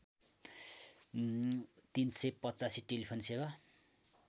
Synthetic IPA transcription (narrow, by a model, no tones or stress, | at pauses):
t̪insʌjpʌtt͡sasiʈelipʰonseba